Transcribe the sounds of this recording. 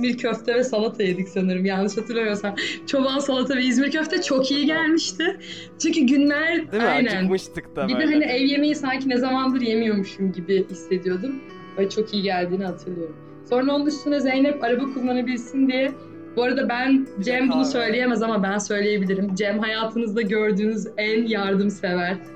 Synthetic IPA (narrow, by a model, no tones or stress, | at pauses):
zmiɾcʰøft̪ʰɛvɛsalˠat̪ʰajed̪icsanɯɾɯmjanˠɯʃhat̪ʰɯɾlˠamijo̞ɾsant͡ʃʰo̞bansalˠat̪ʰavɛizmiɾcʰø̞ft̪ʰɛt͡ʃʰo̞kijiɟælʲmiʃt̪ʰɪ | t͡ʃʰyɲcyɟynlæɾaajnænbid̪iɦaniɛvje̞mejisaɲcinezamand̪ɯɾje̞mijo̞muʃumɟibɪisːe̞d̪ijo̞d̪um | vɛt͡ʃʰo̞kʰijiɟælʲd̪iːniɦat̪ʰɯɾlˠɯjo̞ɾum | so̞ɾnond̪uʃsunɾazejnɛpaɾabakʰulˠːanabilʲsind̪ijɛ | b̥oɾad̪abænd͡ʒɛmbunusø̞jlʲejemɛzamabænsø̞jlʲeje̞bilʲiɾimd͡ʒɛmɦajaːt̪ʰɯnɯzd̪aɟø̞ɾd̪yːnyzænjaɾd̪ɯmse̞væɾ̥